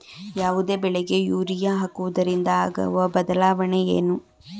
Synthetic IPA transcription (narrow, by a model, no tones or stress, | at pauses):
jaːʋud̪e̞ːbɛɭɛɡe̞juːɾijaɦakːuʋɐd̪ɐɾind̪ɐaːɡɐ̰ʋɐbɐd̪ɐlaːʋɐɳeḛːnu